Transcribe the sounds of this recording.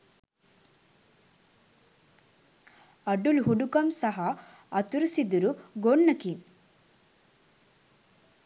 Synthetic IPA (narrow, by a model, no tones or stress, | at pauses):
ɐɖulɦuɖukɐmsɐɦɐ | ɐt̪uɾusid̪uɾuɡoɳːɐkin